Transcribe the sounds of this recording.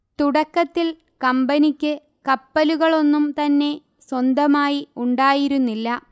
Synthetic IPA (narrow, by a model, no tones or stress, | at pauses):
t̪uɽɐkːɐt̪ːil | kɐmbɐnikʲːɨ | kɐpːɐluɣɐɭo̞nːumt̪ɐnːe̞ | swɐnd̪ɐmaːjiuɳɖaːjiɾunːilːɐ